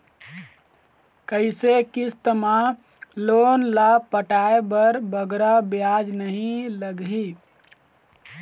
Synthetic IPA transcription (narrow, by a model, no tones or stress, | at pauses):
kəɪsekist̪əma | lonlapəʈaebəɾbəɡɾabjad͡ʒnəɦĩləɡɦi